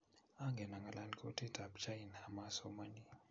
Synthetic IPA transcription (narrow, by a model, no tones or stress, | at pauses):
aŋɡenaŋɡalʔanikʰotʰedabt͡ʃainhamasomani